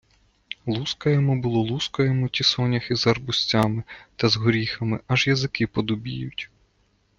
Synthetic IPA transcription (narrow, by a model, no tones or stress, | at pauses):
lˠuskɐjɛmɔbʊlˠɔlˠuskɐjemɔtʲisɔnʲɐxizɐrbʊsʲt͡sʲɑmɪt̪ɐzɦɔɾʲixɐmɪʔɐʒjɐzɪkɪpɔd̪ʊbʲḭjʊtʲ